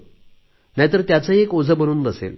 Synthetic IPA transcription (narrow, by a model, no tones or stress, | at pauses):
najt̪əɾt̪jat͡səekod͡zʱəbəñuːnd̪əsḛl